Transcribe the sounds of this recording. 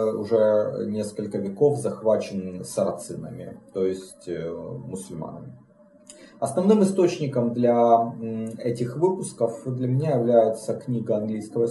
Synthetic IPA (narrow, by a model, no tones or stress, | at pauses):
ʊ̰ʐɛnʲe̞skəlʲkəvʲɪkofzɐxvat͡ɕɪnsɐɾɐt̪sɨnəmʲɪ̰t̪ojɪsʲtʲmʊsʊlʲma̰nə̰mʲɪ | ɐsnɐvnɨmɨst̪ot͡ɕnʲɪkəmd̪lʲɐ | ɛtʲɪxvɨpʊskəfd̪lʲɐmʲɪnʲajɪvlʲæjɪt̪səknʲiɡəɐnɡlʲijskəvə